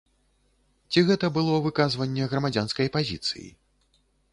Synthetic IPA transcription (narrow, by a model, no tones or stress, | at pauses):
t͡sʲiɣɛt̪ɐbɨlˠɔvɨkazvɐnʲːɛɣɾɐmad͡zʲanskɐjpazʲit̪sɨ̰jḭ